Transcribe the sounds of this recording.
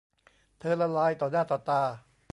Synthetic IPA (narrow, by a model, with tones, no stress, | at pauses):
t̪ʰɤː˧la˧laː˧˥jt̪ɔː˨˩naː˥˩t̪ɔː˨˩t̪aː˧